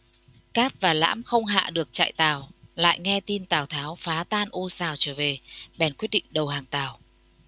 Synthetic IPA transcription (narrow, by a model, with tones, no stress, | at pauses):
kaː˦˥p̚vaː˨˩la̰ː˧˥mxə˧wŋ͡mɦa̰ː˧˨ɗɨ˨˩ək̚t͡ɕa̰˧˨jt̪aː˨˩wla̰ː˧˨jŋɛ˧t̪i˧nt̪aː˨˩wt̪ʰaː˨˦wfaː˨˦t̪aː˧nʔo˧saː˨˩wt͡ɕəː˧˩ve˨˩ɓɛ˨˧˩nkwt̚ɗḭ˧˨ŋ̟ɗə˨˩whaː˨˩ŋt̪aː˨˩w